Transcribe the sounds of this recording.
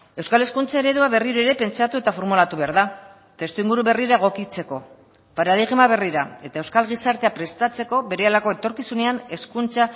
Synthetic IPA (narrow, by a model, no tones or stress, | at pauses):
e̞wskale̞skunt͡sae̞ɾe̞ðuaβe̞riɾueɾe̞pe̞nt͡sat̪ue̞t̪afo̞ɾmulat̪uβe̞aɾða | t̪e̞st̪uiŋɡuɾuβe̞riɾaeɣ̞o̞kit͡se̞ko̞ | paɾaðiɣmaβ̞e̞riɾae̞t̪ae̞wskalɣ̞isaɾt̪e̞apɾe̞st̪at͡se̞ko̞βe̞ɾealako̞e̞t̪o̞ɾkisune̞ane̞skunt͡sa